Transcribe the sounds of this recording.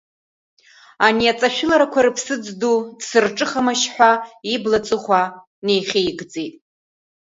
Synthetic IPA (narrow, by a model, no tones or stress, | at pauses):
aniat͡sʼaʃᶣɪlaɾakʷʰaɾɨpʰsɨd͡zdupʰsɨrʈ͡ʂʼɨχamaʃħʷᶣaiblat͡sʼɨχʷa | ne̞jχʲejɡd͡zetʼ